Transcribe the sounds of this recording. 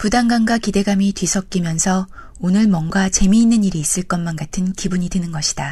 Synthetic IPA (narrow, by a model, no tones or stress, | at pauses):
pudaŋɡaŋɡwakide̞ɡamitɥisʰʌk̚k͈imjʌnsʰʌ | onɯɭmwʌŋɡat͡ɕe̞miːnːɯɲiɾiːs͈ɯɭk͈ʌnmanɡatʰɯnkibuɲidɯnɯnɡʌɕʰi̥d̥a